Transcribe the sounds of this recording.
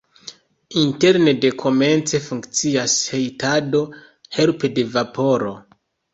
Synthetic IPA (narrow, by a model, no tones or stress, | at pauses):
inte̞ɾne̞de̞kʰo̞me̞nt͡se̞fuŋkt͡siashe̞jtado̞ | he̞lpede̞vapo̞ɾo̞